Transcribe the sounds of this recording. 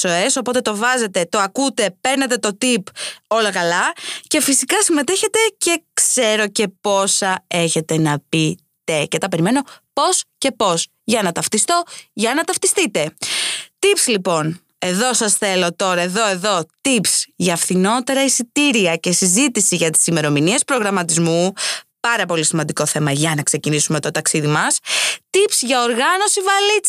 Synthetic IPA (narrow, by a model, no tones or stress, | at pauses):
so̞eso̞po̞t̪et̪o̞vɐze̞t̪e̞t̪o̞ɐkut̪e̞pe̞ɾnet̪e̞t̪ot̪ipo̞lɐkɐlɐce̞fisikɐsimet̪e̞çe̞t̪e̞ce̞kse̞ɾo̞ce̞po̞sɐe̞çe̞t̪e̞nɐpi | t̪e̞cet̪ɐpe̞ɾime̞no̞po̞sce̞po̞s | ʝɐnɐt̪ɐft̪ist̪o̞ʝɐnɐt̪ɐft̪ist̪it̪e̞t̪ipslipo̞n | e̞ðo̞sɐsθe̞lo̞t̪o̞ɾɐe̞ðo̞e̞ðo̞t̪ipsʝɐːfθino̞t̪e̞ɾɐisit̪iɾiɐce̞sizit̪isiʝɐt̪i̥sime̞ɾo̞minie̞spɾo̞ɣɾɐmɐt̪izmupɐɾɐpo̞lisimɐnd̪iko̞θe̞mɐʝɐnɐkse̞cinisume̞t̪o̞t̪ɐksiðimɐst̪ipsʝɐoɾɣɐno̞sivɐlit͡s